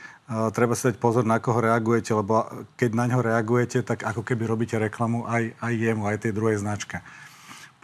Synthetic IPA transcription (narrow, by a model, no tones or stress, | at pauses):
t̪ɾɛbasid̪ac̚pɔzɔɾnakɔɦɔɾɛaɡujɛcɛlɛbɔkɛɟnaɲɦɔɾɛaɡujɛcɛt̪aɡakɔkɛbiɾɔbiːcɛɾɛklamuʔajajːɛmuajt̪ɛjd̪ɾuɦɛjznat͡ʃkɛ